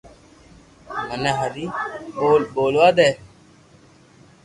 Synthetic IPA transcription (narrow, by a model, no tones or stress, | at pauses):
mənẽːɦəɾiːboːlboːlʋaːd̪eː